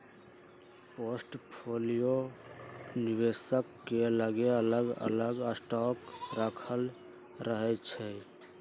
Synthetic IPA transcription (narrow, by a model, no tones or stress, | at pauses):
posʈpʰolijo | nibesəkːeləɡeələɡə̰ləɡəsʈɔkɾakʰəl | ɾəɦɛt͡ʃʰɛ